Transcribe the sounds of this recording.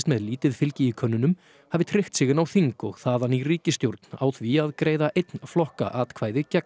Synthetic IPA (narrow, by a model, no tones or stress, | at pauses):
st̪mɛðliːt̪ɪðfɪlcɪikʰœnːʏnʏm | havɪt̪ʰɾɪht̪sɪːɣɪnawθiŋkɔɣθaːðanːiriːcɪst̪jowɾt̪na̰wθviaðkɾeːjðaʔejt̪nflɔhka̰ʔaːt̪kʰvaːjðɪcɛk